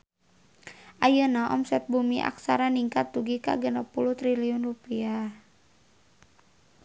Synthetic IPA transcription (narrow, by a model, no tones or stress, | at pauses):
ʔajənaʔɔ̰msɛt̪̚bumiʔa̰ksaɾaniŋkat̪ːuɡika̰ɡənapuluht̪ɾiliɔnrupia